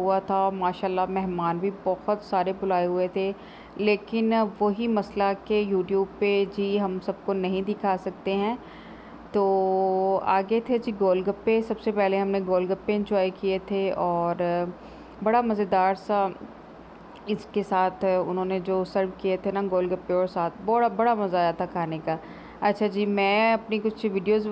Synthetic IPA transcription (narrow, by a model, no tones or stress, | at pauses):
ɦuat̪ʰaɔɾmaːʃaːlːamɛɦmaːnbʱibɐhʊt̪saːɾebʊlaːeɦʊet̪ʰe | leːkɪnʋoɦimɐslakejuːʈjuːb̚ped͡ʒiːɦɐmsɐb̚konɐɦĩd̪ɪkʰaːsɐk̚t̪eɦɛ̃ː | t̪oː | a̰ːɡet̪ʰed͡ʒiːɡoːlɖɡɐpːesɐbsepɛɦleɦɐmneɡoːlɡɐpːeɪ̃ɲd͡ʒɔːikiet̪ʰeɔːɾ | bɐɽamɐzed̪aːɾsa | ɪskesaːt̪ʰʊ̰nɦõːned͡ʒoːsɐɾʋkijet̪ʰenaɡoːlɡɐpːeɔːɾsaːt̪̚ʰbɐɽabɐɽamɐzaat̪ʰakʰaːneka | ɐtːʃʰad͡ʒiːmɛ̃ːɐpnikʊt͡ʃʰʋɪɖijoːz